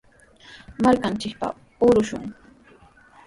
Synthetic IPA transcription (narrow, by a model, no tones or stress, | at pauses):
maɾkant͡ʃɪk̚pa̰ | ʊɾʊʃʊ̰ŋ